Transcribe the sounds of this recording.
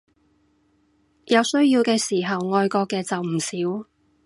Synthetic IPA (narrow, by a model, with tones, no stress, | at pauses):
jɐ˨˧wsɵ˥ɥjiː˧wkɛː˧siː˨˩ɦɐ˨wŋɔː˧jkɔː˧kːɛː˧t͡sɐ˨wm̩˨˩siː˨˥w